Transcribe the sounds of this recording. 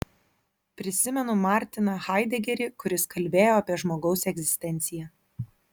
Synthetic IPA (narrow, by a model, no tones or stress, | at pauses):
pʲɾʲɪsʲɪmʲɛnʊmɑɾʲt̪ʲɪnɐxɑɪd̪ʲɛɡʲɛɾʲɪkʊɾʲɪskɐlʲbʲeːjoːɐpʲiɛʒmoːɡɒʊsɛɡʲzʲɪsʲt̪ʲɛnʲt̪sʲɪjɛ